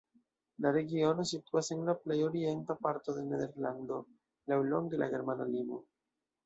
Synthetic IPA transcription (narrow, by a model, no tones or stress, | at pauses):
laɾe̞ɡio̞nosit̪uase̞nlaplejoɾient̪apaɾt̪o̞ðeneðe̞ɾland̪o̞ | lawloŋɡelʔa̰ɡeɾmanalimo